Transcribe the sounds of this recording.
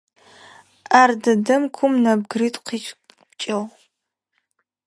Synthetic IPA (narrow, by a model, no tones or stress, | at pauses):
ʔaːrdɐdɐmkʷʰʊmnɐb̚ɡriːtʼqʰiːt͡ʃʼ | t͡ʃʼɐʁ